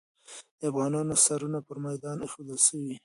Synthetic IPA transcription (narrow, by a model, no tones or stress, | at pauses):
d̪əafɣɑnɑnosaɾunapəɾmajd̪ɑnexod̪əlʃəwi